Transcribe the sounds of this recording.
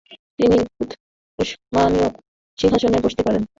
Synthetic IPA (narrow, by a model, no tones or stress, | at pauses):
t̪iniut̪ | oʃmanio | ʃinɦaʃoneboʃt̪epaɾen